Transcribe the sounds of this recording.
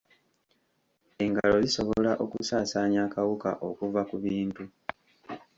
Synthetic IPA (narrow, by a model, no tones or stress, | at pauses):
e̞ŋɡalo̞ziso̞βolaʔokusaːsaːɲakawuka̰ʔo̞kuvakuβiːntu